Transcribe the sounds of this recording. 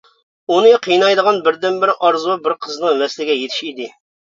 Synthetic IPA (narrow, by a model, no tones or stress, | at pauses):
unɨqʰijnɑjd̪əʁɑnbɪɾd̪ɪnbɪɾɪʔɑɾzubɪɾqʰəznɨŋmɛslɪɡʲɛjet̪ʰɪ̥ʃid̪ɪ